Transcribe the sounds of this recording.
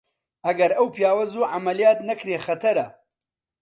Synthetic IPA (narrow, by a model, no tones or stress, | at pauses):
ʔɐɡɐɾɐwpjaːwɐzuːʕamɐlijaːt̪nɐkɾeːxɐt̪ʰɐɾɐ